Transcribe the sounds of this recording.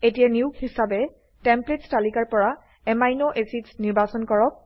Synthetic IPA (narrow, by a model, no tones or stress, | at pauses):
etijɛniʊkhisabɛ | tɛmpletstalikaɹpɔɹa | ɛmajnoʔesitsniɹbasɔnkɔɹɔk̚